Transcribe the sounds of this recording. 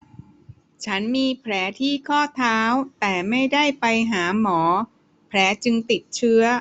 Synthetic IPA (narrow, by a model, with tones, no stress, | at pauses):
t͡ɕʰa˦˥nmiː˧pʰɾɛː˩˦t̪ʰiː˥˩kʰɔː˥˩t̪ʰaː˦˥wt̪ɛː˨˩ma˥˩jda˥˩jpa˧jɦaː˩˦mɔː˩˦ | pʰɾɛː˩˦˥t͡ɕɯ˧ŋt̪i˨˩t̪̚t͡ɕʰɯ˦˥ɐ